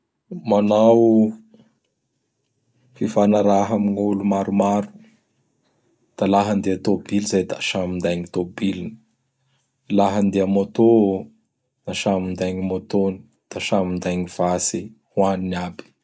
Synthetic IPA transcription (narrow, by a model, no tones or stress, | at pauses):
manaw | fifanaɾaɦamiɲulumaɾumaɾu̥ | d̪̥alaɦənd̪eat̪obilzajd̪aʃamind̪ajŋit̪obilini̥ | laɦənd̪eamot̪o | naʃamind̪ajɲimot̪oni̥ | d̪̥aʃamind̪ajŋiv̥asi | huaniniabi̥